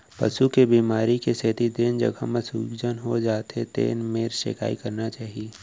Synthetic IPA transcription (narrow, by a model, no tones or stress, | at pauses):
pɐ̰ʃukebiːmaːɾikesɛːt̪id̪eːnd͡ʒɐ̰ɡʱə̰mə̃suːɡd͡ʒənɦod͡ʒaːt̪ḛt̪ḛːnmeːɾʃḛka̰ːikɐɾnat͡ʃaːɦieː